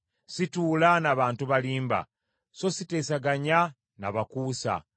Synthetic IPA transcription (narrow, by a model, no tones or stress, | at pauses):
situːlanaβaːntuβaliːmba̰ | so̞site̞ːsaɡaɲa | na̰βakuːsa̰